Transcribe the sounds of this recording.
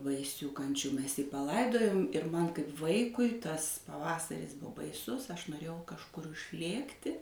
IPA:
bɐɪˈsʲuː ˈkɐnʲt͡ʃʲuː ˈmʲɛs jiː pɐˈlˠɐɪdoːjoːm ɪr ˈmɐn kɐɪp ˈʋɐɪkʊɪ ˈtɐs pɐˈʋɑːsɐrʲɪs ˈbʊ bɐɪˈsʊs ɐʃ noːˈrʲeːjɛʊ kɐʃˈkʊr ʊʃʲˈlʲeːktʲɪ

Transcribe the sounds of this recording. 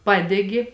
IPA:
ˈpɑːdʲɛɡʲɪ

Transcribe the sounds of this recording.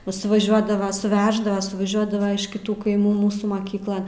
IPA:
nʊ sʊʋɐˈʒʲuɔdɐʋɐ sʊˈʋʲæːʒdɐʋɐ sʊʋɐˈʒʲuɔdɐʋɐ ɪʃ kʲɪˈtuː kɐɪˈmuː ˈmuːsuː mɐˈkʲiːklˠɐn

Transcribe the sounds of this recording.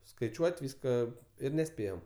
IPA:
skɐɪˈt͡ʃʲuɔtʲ ˈʋʲiːskɐ ˈɪr nʲɛˈsʲpʲeːjoːm

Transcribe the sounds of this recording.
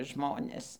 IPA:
ˈʒmoːnʲeːs

